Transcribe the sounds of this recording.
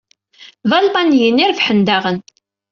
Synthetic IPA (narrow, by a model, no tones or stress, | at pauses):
ðɑlmɑnjənːiɾfħənd̪aʁən